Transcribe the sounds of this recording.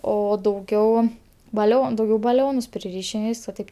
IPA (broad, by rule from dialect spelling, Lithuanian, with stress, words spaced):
oː dɐʊˈɡʲɛʊ bɐˈlʲoːn dɐʊˈɡʲɛʊ bɐˈlʲoːnʊs pʲrʲɪˈrʲiːʃʲɪm ɪr ˈʋʲiːs ʋɐ ˈtɐɪp